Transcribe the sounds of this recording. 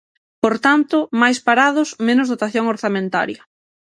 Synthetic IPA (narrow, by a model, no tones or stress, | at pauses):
poɾt̪ant̪ʊmajspaɾaðʊsmẽnʊzðot̪aθjoŋoɾθamẽnt̪a̰ɾjɐ